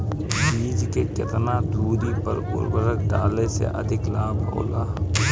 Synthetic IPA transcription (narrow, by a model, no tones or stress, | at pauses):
biːd͡ʒkekɪt̪nad̪ʱuːɾipɐ̰ɾʊ̰ɾbəɾəkɖaːlesḛʔɐ̰d̪ʱɪklaːbʱɔ̰ːlaː